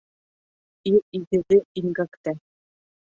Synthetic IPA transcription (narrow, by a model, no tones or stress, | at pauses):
iɾiðɘ̆ðɘiŋɡakt̪æ